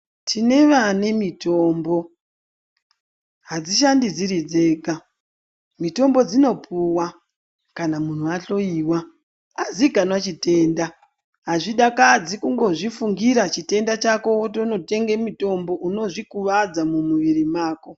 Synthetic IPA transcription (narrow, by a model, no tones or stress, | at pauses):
tʰine̞ʋane̞mito̞ːmbo̞ | ɦad͡ziʃ̬andid͡ziɾid͡ze̞ːka | mito̞mbo̞d͡zino̞puwa | kanamun̤uaɬo̞iːwa | aziɡʱanwat͡ʃite̞nda | ɦaʐiɗakad͡zikuŋɡo̞ʐifuŋɡiɾat͡ʃite̞ndat͡ʃako̞otono̞te̞ŋɡemito̞mbo̞ʔuno̞ʐikuʋad͡zamumuʋiɾimaːko̞